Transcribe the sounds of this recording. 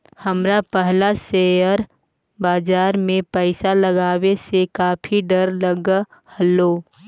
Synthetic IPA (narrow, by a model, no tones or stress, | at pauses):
həmɾapəɦlaseəɾ | baːd͡ʒaːɾmẽpɛɪsaləɡaːwesekaːpʰiɖəɾləɡ | həlo